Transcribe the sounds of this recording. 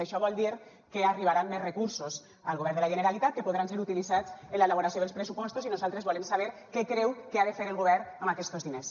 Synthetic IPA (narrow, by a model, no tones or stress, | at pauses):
aʃɔβɔlˠd̪iɾ | keariβ̞aɾanːezrekuɾsos | alɣoβɛɾnd̪elaʒeneɾalit̪at̪kepoðɾanseɾut̪ilizat͡senlaelaβoɾasoðelˠspɾesupɔst̪uzinuzalˠt̪ɾezβɔlemsaβ̞eɾkɛkɾɛwkeaðefeɾelˠɣoβ̞ɛɾnamakɛst̪ozðines